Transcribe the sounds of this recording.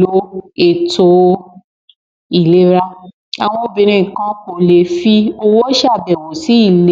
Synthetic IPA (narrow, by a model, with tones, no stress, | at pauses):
o˨˦e˨to˧˦ | i˦˨le˦ɾa˦ | a˨w̃ɔ̃˧o˨bĩ˧ɾ̃ĩ˧˨kã˦ko˨le˧fi˦o˧wo˦ʃa˦˨bɛ˨wo˨si˨˦i˦˨le˦